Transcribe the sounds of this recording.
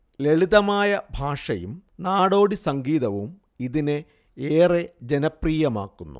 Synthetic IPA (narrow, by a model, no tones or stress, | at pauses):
leɭiðɐmaːjɐbʱaːʂɐjṵmnaːɽo̞ːɽisɐŋɡiːðɐʋum | iðine | eːred͡ʑenɐpriːjɐma̰ːkːunːṵ